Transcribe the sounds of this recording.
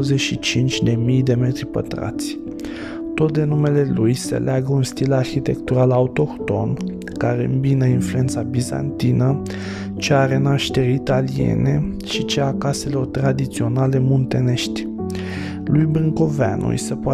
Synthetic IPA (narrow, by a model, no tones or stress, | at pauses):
əzeʃit͡ʃint͡ʃʲd̪e̞mijd̪e̞me̞t̪ɾipə̰t̪ɾa̰t̪sʲ | t̪o̞t̪̚d̪enume̞le̞lujsḛleaɡəunst̪ilarçit̪e̞kt̪uɾalaut̪o̞kt̪o̞n | kaɾe̞ɨ̰mbinəinflue̞nt̪sabiza̰nt̪inə | t͡ʃeaɾe̞naʃt̪e̞ɾʲit̪aliḛne̞ | ʃit͡ʃeakase̞lo̞rt̪ɾad̪it̪sio̞nale̞mont̪e̞ne̞ʃt̪ʲ | lujbɾɨŋko̞vea̰nṵj̰səpoa